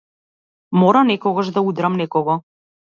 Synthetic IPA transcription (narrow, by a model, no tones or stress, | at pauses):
mɔɾanɛkɔɡaʒd̪aud̪ɾamnɛkɔɡɔ